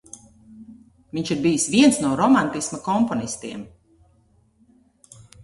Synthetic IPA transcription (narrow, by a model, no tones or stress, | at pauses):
viɲt͡ʃʃiɾbijisviɛnsnuɔɾɔmant̪ismakɔmpɔnist̪iɛm